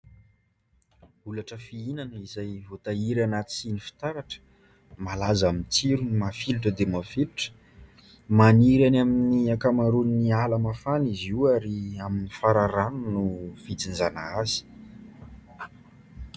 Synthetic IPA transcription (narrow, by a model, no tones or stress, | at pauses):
ulaʈ͡ʂəfiinanəizajvot̪aiɾanat̪i̥sinifi̥t̪aɾaʈ͡ʂə̥ | malazamint͡siɾunimafiluʈ͡ʂəd̪emafiluʈ͡ʂə̥ | maniɾanaminiakamaɾunialamafaniziaɾiaminifaɾaɾanunufit͡sinzanaazi̥